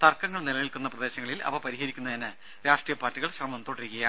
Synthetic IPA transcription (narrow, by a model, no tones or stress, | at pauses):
t̪ɐrkɐŋːɐɭnilɐʋilkunːɐprɐd̪e̞ːɕɐŋːɐɭilɐ̰ʋɐpɐɾihɐɾikʲːunːɐðɐnɨ | ɾaːʂʈrijɐpaːtːiɣɐɭɕrɐmɐmt̪o̞ːɽiɾikːɐjaː